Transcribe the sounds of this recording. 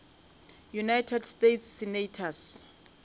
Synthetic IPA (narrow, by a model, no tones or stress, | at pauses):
junajtʰɛdstetʰsːinatʰas